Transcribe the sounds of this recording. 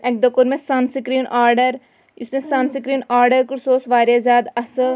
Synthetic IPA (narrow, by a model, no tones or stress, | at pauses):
ek̚d̪ɐkoɾmẽsɐnsɪkɾiːnaːɾɖəɾ | ɪsmẽsɐmsɪkɾiːnaːɾɖəɾkʊɾsoːsʋaːɾjazjaːd̪ɐs